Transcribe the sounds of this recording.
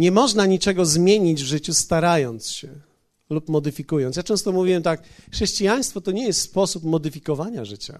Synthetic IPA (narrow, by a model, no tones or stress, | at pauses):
ɲɛmɔʐnaɲit͡ʂɛɡɔzmʲjeɲid͡ʑvʐɘt͡ɕust̪aɾajɔnt̪sɕɛ | lupmɔd̪ɘfʲikujɔnt̪jat͡ʂɛ̃w̃st̪ɔmuvʲiwɛmt̪akxʂɛɕt͡ɕijaj̃st̪fɔt̪ɔɲɛjɛst̪spɔsupmɔd̪ɘfʲikɔvaɲaʐɘt͡ɕa̰